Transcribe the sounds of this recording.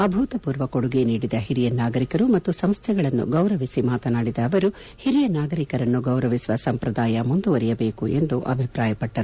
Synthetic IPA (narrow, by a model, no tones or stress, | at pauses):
ɐbʱuːt̪ɐpuːɾʋɐkoɽuɡeniːɽid̪ɐɦiɾijɐnaːɡɐɾikɐɾumɐt̪ːusɐmst̪ʰɛɡɐɭɐnːṵɡɐwɾɐʋisimaːt̪ɐnaːɽid̪ɐːʋɐɾu | hiɾijɐnaːɡɐɾikɐɾɐnːuɡɐwɾɐʋisuʋɐsɐmpɾɐd̪aːjɐmund̪uʋɐɾijɐbeːkue̞nd̪uʔɐ̰bʱipɾaːjɐpɐʈːɐɾu